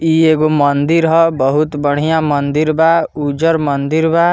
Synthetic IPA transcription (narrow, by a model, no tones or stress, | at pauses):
ieːɡomənd̪iɾɦɔbəɦut̪bəɽ̤ijãmɐnd̪iɾbaːud͡ʒəɾmɐnd̪iɾbaː